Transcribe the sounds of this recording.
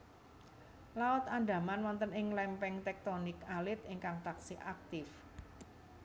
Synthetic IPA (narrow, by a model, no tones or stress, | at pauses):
laʊt̪and̪a̤manwɔnt̪ənɪŋlɛmpɛŋt̪ɛk̚t̪ɔnɪkalɪt̪ɪŋkaŋt̪aksiʔak̚t̪ɪf